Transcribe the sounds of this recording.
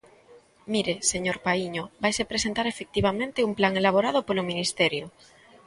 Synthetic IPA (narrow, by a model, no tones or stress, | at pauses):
miɾeseɲoɾpaiɲobajsepɾes̬ent̪aɾefek̚t̪iβ̞amẽnt̪eumplaŋelaβ̞oɾað̞opolomĩnist̪ɛɾjo